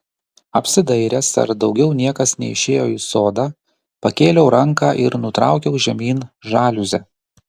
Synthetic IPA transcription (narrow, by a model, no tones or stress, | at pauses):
ɐpʲsʲɪd̪ɐɪɾʲɛsɐ̰ɾd̪ɒʊɡʲɛʊnʲiɛkɐsnʲɛ̰ɪʃʲeːjoːɪsoːd̪ɑː | pɐkʲeːlʲɛʊɾɐŋkɑːʔɪɾnʊt̪ɾɑ̰ˑʊkʲɛʊʒʲɛmʲiːnʒɑːlʲʊzʲɛ